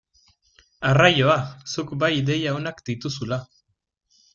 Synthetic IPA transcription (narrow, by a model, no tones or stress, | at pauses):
arajo̞asukbajd̪e̞jaonakd̪it̪usula